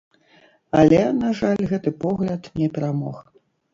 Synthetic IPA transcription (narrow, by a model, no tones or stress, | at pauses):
ɐlʲɛnaʐalʲɣɛt̪ɨpɔɣlʲɐt̪nʲɛpʲɛɾamɔ̰x